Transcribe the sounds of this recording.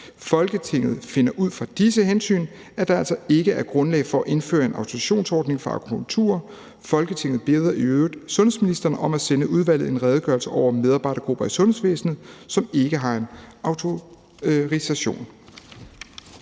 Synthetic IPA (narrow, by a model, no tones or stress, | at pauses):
fɒ̽lɡ̥ət͡sʰe̝ŋ̰ð̞̩ˠfe̝nɐʔuð̞̰ˠfʁɑ̈d̥is̬əɦensy̰ːn | æɐd̥ɑ̈æl̰sɒ̽e̝ɡ̥əæɐɡ̥ʁɔ̽nlɛ̰ɪfɒ̽æʔe̝nfø̰ːɐe̝nɑ̈ʊt͡sʰo̝iɕo̝̰ːnsɒːd̥ne̝ŋfʁɑ̈ɑ̰kʰupʰult͡sʰṵɐ | fɒ̽lɡ̥ət͡sʰe̝ŋ̰ð̩ˠb̥e̝ːð̞ˠɐiøːd̥sɔ̽nh̩ˠsminisd̥ɐnəʔɒ̽mæsenəʔuð̞ˠʋæl̰ð̩ˠe̝nʁɛːð̞ˠɡ̥ɶɐlsəʔɒʊ̰ɐmeðˠɑ̈ːb̥ɑ̈ɪ̰ɾɐɡ̥ʁub̥ɐæsɔ̽nhesʋḛːsn̩ð̩ˠsɒ̽me̝ɡ̥əɦɑ̈e̝nɑ̈ʊt͡sʰo̝ | ʁisæɕo̝̰ːn